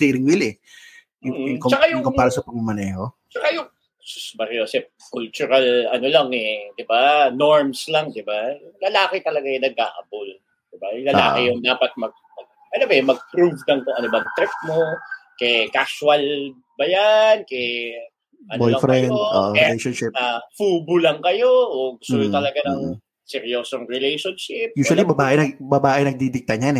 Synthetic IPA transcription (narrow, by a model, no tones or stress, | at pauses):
t̪iɾɪŋwilɛ | mʊjʊŋkot͡ʃɐkajʊkopaːɾɐsɐpɐɡ̚mɐmɐnɛho | t͡ʃɐkajʊŋ | ssbɐɾɪosɛ | kʊlt͡ʃʊɾɐlɐnolɐŋɛd̪ɪbanoɹmslɐŋd̪ɪbajʊŋlɐlaːkɛt̪ɐlɐɡanɐɡ̚ka̰ːʔɐbʊl | d̪̥ɪbalɐla̰ːkɪjʊŋd̪aːpɐt̪̚mɐɡ̚mɐɡ̚ | ʔɐnobɛmɐɡ̚pɾuvnɐŋt̪oʔɐnobɐŋt̪ɾɪft̪̚mokɛkaswɐl | bɐjankɛj | ʔɐnbojɐfɾɛnd̪o̰ːʔlɛʃonʃɪafuːbʊlɐŋkɐjo̞ʔoɡʊsʊjot̪ɐlɐɡanɐŋ | sɛɾijoːsoŋɹɛlɛjʃonʃɪp̚juːsɐlibɐbaːʔɪnɐɡbɐbaːʔɪnɐɡ̚d̪id̪ɪk̚t̪ɐɲanɛ